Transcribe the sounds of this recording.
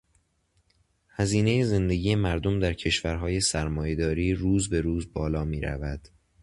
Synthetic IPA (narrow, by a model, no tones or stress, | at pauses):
hæziːne̞je̞ze̞nd̪e̞ɟiːje̞mæɾd̪o̞md̪æɾcʰe̞ʃvæɾɦɒːje̞sæɾmɒːje̞d̪ɒːɾiːɾuːzbe̞ɾuːzbɒːlɒːmiːɾæ̰væd̪̥